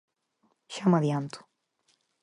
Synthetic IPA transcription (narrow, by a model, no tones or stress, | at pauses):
ʃamaðjant̪u̥